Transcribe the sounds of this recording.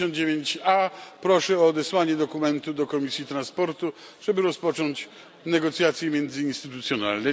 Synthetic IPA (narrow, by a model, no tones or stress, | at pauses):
ɔnd̪̚d͡ʑevʲjeɲt͡ɕapɾɔʂɛɔːd̪ɛswaɲɛd̪ɔkumɛnt̪ud̪ɔkɔmʲisʲjit̪ɾanspɔɾt̪u | ʐ̥ɛbɘɾɔspɔt͡ʂɔɲt͡ɕ | nɛɡɔt̪sʲjat̪sʲjɛmʲjɛnd̪zɘinst̪ɘt̪ut̪sʲjɔna̰lnɛ